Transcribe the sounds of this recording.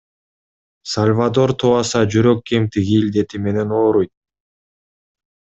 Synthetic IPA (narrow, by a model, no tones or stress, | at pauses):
salʲvad̪o̞ɾt̪ʰuɑsɑd͡ʒyɾø̞kːemt̪ʰiɡilʲd̪e̞t̪ime̞ne̞no̞ːɾujt̪̚